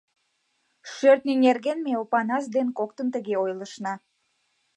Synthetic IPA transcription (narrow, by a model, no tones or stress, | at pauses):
ʃørt̪̚nʲinʲerɣenmeopɑnɑsd̪enkok̚t̪ənt̪əɣeojləʃnɑ